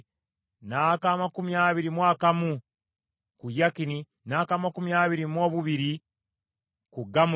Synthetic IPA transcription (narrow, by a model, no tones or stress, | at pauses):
nakaːmakumiaːβiɾimwaːkamu | kujakini | naːkaːmakumjaːβiɾimwo̞ːβuβiɾi | kuɡamu